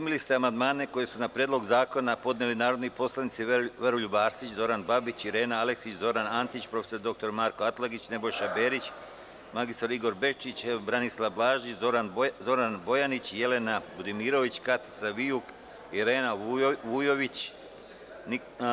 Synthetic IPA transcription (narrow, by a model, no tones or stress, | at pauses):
pɾimilist̪eamand̪maːne̞ko̞je̞sunapɾjed̪lˠo̞ɡzaːko̞napo̞d̪nelinaːɾod̪nipo̞slˠanit̪siʋɾoʎubaːɾsit͡ɕzo̞ɾanbabit͡ɕiɾe̞ːnaale̞ksit͡ɕzo̞ɾanant̪it͡ɕpɾo̞feso̞ɾd̪o̞k̚t̪o̞ɾmaːɾkoat̪laɡit͡ɕne̞bo̞jʃabe̞ːɾit͡ɕ | maɡist̪oɾiɡo̞ɾbe̞t͡ʃit͡ɕbɾanislˠablaːʒiɾanzo̞ɾanbo̞janit͡ɕje̞le̞nabud̪imiːɾo̞ʋit͡ɕkat̪i̥t̪saʋijuk | iɾeːnaʋujo̞ʋit͡ɕ | n